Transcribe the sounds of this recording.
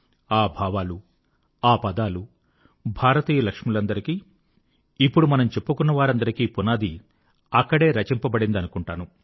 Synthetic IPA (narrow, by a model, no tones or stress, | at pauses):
aːbʱaːʋaːlu | aːpɐd̪aːlu | bʱaːɾɐt̪iːjɐlɐkʂmulɐnd̪ɐɾikiː | ipːuɽumɐnɐmt͡ʃe̞pːukunːɐʋaːɾɐnd̪ɐɾikiːpunaːd̪i | ɐkːɐɽe̞ːɾɐt͡ʃimpɐbɐɽind̪ɐnukuɳʈaːnu